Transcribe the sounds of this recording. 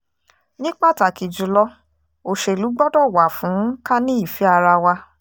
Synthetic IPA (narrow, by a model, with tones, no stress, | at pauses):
nĩ˦k͡pa˦˨ta˨ki˨d͡ʒu˨lɔ˧ | o˨ʃe˨lu˨˦ɡ͡bɔ˦dɔ˦˨wa˨fũ˨˦ka˦nĩ˦i˦˨fi˨˦a˧ɾa˧wa˧